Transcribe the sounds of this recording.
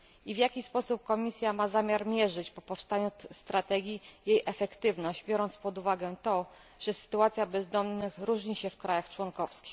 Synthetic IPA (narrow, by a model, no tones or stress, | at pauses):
ivʲjakʲispɔsup̚kɔmʲisʲjamazamʲjaɾmʲjɛʐɘt͡ɕpɔpɔfst̪aɲust̪ɾat̪ɛɡʲijejʔɛfɛkt̪ɘvnɔʑd͡ʑbʲjɔɾɔnt̪spɔd̪uvaɡɛt̪ɔ | ʐ̥ɛsɘ̥t̪uat̪sʲjabɛzd̪ɔmnɘxɾuʐɲiɕɛfkɾajaxt͡ʂwɔnkɔfskʲi̥x